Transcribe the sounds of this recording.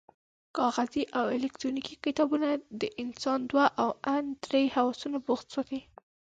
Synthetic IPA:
kɑɣaziʔawɪlɛkt̪ɾonikikɪt̪ɑbunad̪əʔɪnsɑnd̪waʔawand̪ɾejhawɑsunaboxt̪səki

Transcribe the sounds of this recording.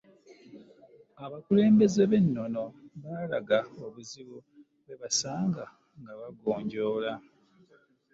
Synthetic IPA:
aβakule̞ːmbe̞ze̞βe̞nːo̞no̞βalaɡaoβuziβu | βe̞βasaːŋɡa | ŋɡaβaɡoːɲɟo̞ːla

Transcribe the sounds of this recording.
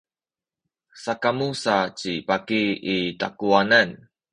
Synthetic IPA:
sakamusat͡ɕipakiita̰kuanan

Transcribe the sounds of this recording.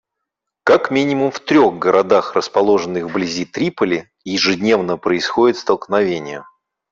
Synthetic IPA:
kakmʲinʲɪmʊmft̪ɾʲo̞ɣɡəɾʔɐd̪axrəspɐlˠo̞ʐɨnːɨxvblʲɪzʲit̪ɾʲipəlʲɪ | jɪʐɨdʲnʲe̞vnəpɾəɪsxodʲɪt̪st̪əlˠknɐvʲenʲɪjə

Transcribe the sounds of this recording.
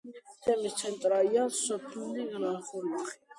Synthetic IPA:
t̪ʰɛmist̪sʰɛnt̪ʼɾaliansɔpʰlniɾaχɔɾnaχi̥

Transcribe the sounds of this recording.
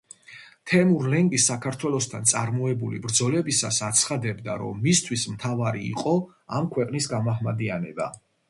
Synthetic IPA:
t̪ʰɛmuɾlɛŋɡʼisːakʰaɾt̪ʰwɛlˠɔst̪ʰant̪sʼaɾmɔɛbulḭbɾd̪zɔlɛbisasat̪sʰχad̪ɛbd̪a̰ɾɔ̰mːist̪ʰwismt̪ʰavaɾḭːqʼɔ | amkʰwɛqʼnisɡamaɦmad̪ianɛba̰

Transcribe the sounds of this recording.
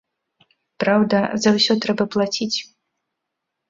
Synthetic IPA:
pɾawd̪ɐzɐwsʲɔt̪ɾɛbɐplˠat͡sʲit͡sʲ

